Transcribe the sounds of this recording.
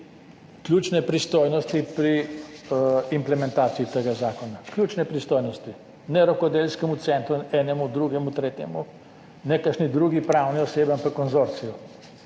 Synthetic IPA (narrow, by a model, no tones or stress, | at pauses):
klʲjuːt͡ʃnɛpɾist̪ojnɔst̪ipɾi | implɛmɛ̃nt̪aːt̪siit̪eɡazaːkɔnaklʲjuːt͡ʃnɛpɾist̪oːjnɔst̪i | nɛɾɔkɔd̪elskɛmut̪sɛnt̪ɾuɛːnɛmud̪ɾuɡɛmut̪ɾeːt̪jɛ̰mu | nɛkəʃnid̪ɾuɡipɾawniɔsebampakːɔnzoɾt̪sijɔ